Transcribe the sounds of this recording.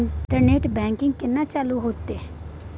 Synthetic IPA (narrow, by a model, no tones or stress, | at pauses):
ʈəɾneːʈbɛ̃ːŋkɪ̃ŋɡkɪnːãːt͡ʃaːluɦoːt̪eː